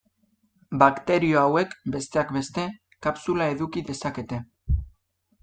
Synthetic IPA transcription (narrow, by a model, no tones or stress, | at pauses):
bakt̪e̞ɾio̞awe̞kbe̞st̪e̞akbe̞st̪e̞ | kapsulae̞ðukiðe̞sake̞t̪e̞